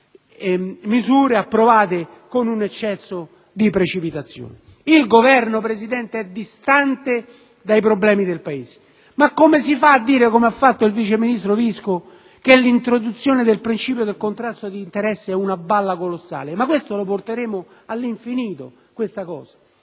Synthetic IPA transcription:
mizuːɾeapːɾovaːt̪e | konunet͡ʃːɛsːo | d̪ipɾet͡ʃipit̪at̪sːjo̰ːne | ilɡovɛrnopɾesid̪ɛnt̪eɛd̪ːist̪ant̪e | d̪ajpɾoblɛːmid̪elpaeːze̥ | makːomesifaːd̪ːiːɾekomeafːat̪ːoilvit͡ʃeminist̪ɾovisko | k̟elːint̪ɾod̪ut̪sːjoːned̪elpɾint͡ʃiːpjod̪elkont̪ɾast̪ːod̪iːnt̪eɾɛsːeɛunabalːakolosːa̰ːlemakːwest̪oloport̪eɾeːmo | alːiɱfiniːt̪o̰ | kwest̪akɔ̰ːzḁ

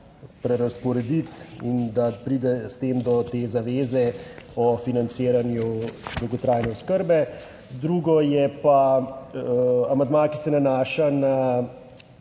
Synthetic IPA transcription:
pɾɛɾaspɔɾɛd̪it̪ind̪apɾiːd̪ɛst̪eːmd̪ɔt̪ezaʋeːzɛɔfinant̪seːɾanjud̪ɔwɡɔt̪ɾaːjnɛɔskəɾbɛ | d̪ɾuːɡɔjɛpa | amand̪maːkisɛnanaːʃana

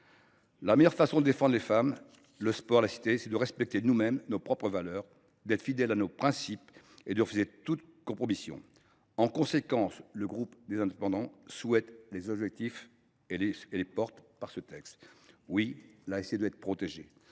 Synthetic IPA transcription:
lamɛjœʁfasɔ̃d̪əd̪efɑ̃d̪ʁlefam | ləspɔʁlasi̥t̪esɛd̪əʁɛspɛk̚t̪enumɛmnopχɔpχəvalœʁ | d̪ɛt̪χə̥fid̪ɛlanopχɛ̃siped̪əʁəfyzet̪ut̪kɔ̃pχɔmisjɔ̰̃ | ɑ̃kɔ̃sekɑ̃sləɡʁupd̪ezɛ̃d̪epɑ̃d̪ɑ̃swɛt̪lezɔbʒɛk̚t̪if | eleelepɔʁt̪paʁsət̪ɛkst̪wilaesejed̪əɛt̪̚χə̥pχɔt̪eʒḛ

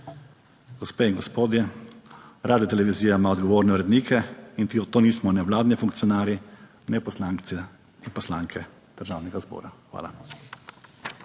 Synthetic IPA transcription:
ɡ̥ɔspeːiŋɡɔspoːd̪jɛ | ɾaːd̪ijɔt̪ɛlɛʋiziːjamaɔd̪ɡɔʋoːɾnɛuɾɛd̪niːkʰɛint̪t̪oːniːsmɔnɛʋlaːd̪nifuŋkt̪sijɔnaːɾji | nɛpɔslaŋk̪sɛ | inpɔslaːŋkʰɛ | d̪̥əɾʒaːwnɛɡazbɔ̰ːɾaxʋa̰ːla̰

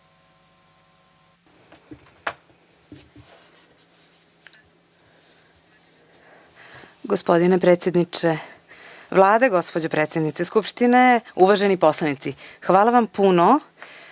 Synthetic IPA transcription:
ɡospo̞d̪inepɾet̪sjed̪nit͡ʃe | ʋlˠaːd̪eɡo̞spod͡ʑopɾet̪sʲjed̪nit̪seskupʃt̪ineuʋaʒenipo̞slanit̪sixʋaːlˠaʋampuno

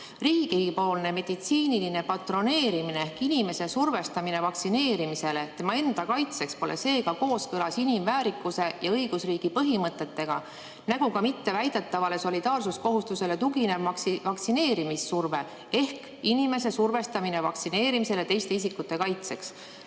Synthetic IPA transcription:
riːɡikijɡipo̞ːlne̞me̞d̪̥it̪siːniline̞pɑt̪ro̞ne̞ːɾimineehkinime̞se̞surve̞st̪ɑmine̞vɑksine̞ːɾimise̞le̞t̪e̞mɑe̞nd̪̥ɑkɑjt̪se̞kspo̞le̞se̞ːkɑko̞ːskɤlɑsinimvæːɾikːˑuse̞jɑɤjɡ̥usriːɡ̥ipɤɦimɤt̪ːˑe̞t̪ːe̞ɡ̥ɑ̰ | næɡ̥ukɑmit̪ːe̞væjd̪̥e̞t̪ːɑvɑle̞so̞lid̪̥ɑːrsusko̞ɦust̪use̞le̞t̪uɡine̞vɑksivɑksine̞ːɾimisːurve̞ | e̞hk | inime̞s̬e̞surve̞st̪ɑmine̞vɑk̪sine̞ːɾimise̞le̞t̪e̞jst̪e̞is̬ikːut̪ːˑe̞kɑjt̪se̞ks

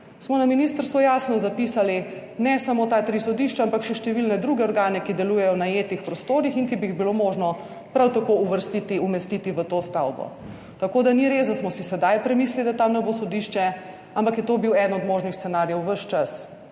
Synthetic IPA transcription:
smɔnaminist̪əɾst̪ʋɔjasnɔzapisali | nɛsamot̪at̪ɾisɔd̪iʃt͡ʃaampakʃɛʃt̪ɛʋilnɛd̪ɾuːɡɛɔɾɡaːnɛkid̪ɛlujɛjɔnajet̪ixpɾɔst̪oːɾixinkibiːɣbilomoʒnɔ | pɾawt̪akouʋəɾst̪it̪iumɛst̪it̪iʋət̪ost̪awbɔ̰ | t̪akod̪aniɾezd̪asmɔsisɛd̪ajpɾɛmiːs̬lilid̪at̪amnɛbosɔd̪iːʃt͡ʃɛ | ampakjɛt̪obiwɛd̪nɔd̪moːʒnixst̪ɛnaɾjɛwʋəʃt͡ʃas

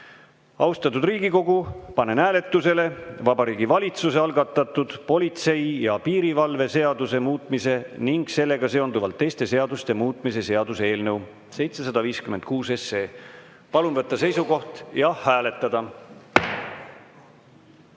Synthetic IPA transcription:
ɑwst̪ɑt̪ːˑud̪riːɡ̥iko̞ɡupɑne̞næːle̞t̪ːˑuse̞le̞vɑbɑɾiːɡivɑlʲit̪suse̞ɑlɡɑt̪ˑːɑt̪ːˑud̪̥po̞lit̪se̞jjɑpiːɾivɑlve̞se̞ɑd̪use̞muːt̪ˑmise̞niŋɡ̥se̞lːe̞ɡ̥ɑse̞ond̪uvɑlt̪ːe̞jst̪e̞se̞ɑd̪ust̪e̞muːt̪ˑmise̞se̞ɑd̪̥usee̞ːlnɤw | se̞jt̪se̞sɑd̪̥ɑviːskymend̪̥̚kuːse̞se̞ː | pɑlunvɤt̪ːɑse̞jsuɡo̞ht̪jɑhæːle̞t̪ːˑɑd̪̥ɑ

